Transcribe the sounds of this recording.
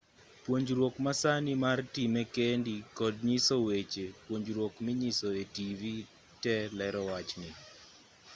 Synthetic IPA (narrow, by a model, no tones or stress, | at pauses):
pwoɲd͡ʒɾwokmasanɪmartimekendikɔd̚ɲisɔwet͡ʃepwoɲd͡ʒɾwokmiɲɪsɔetivi | tɛlɛɾɔwat͡ʃnɪ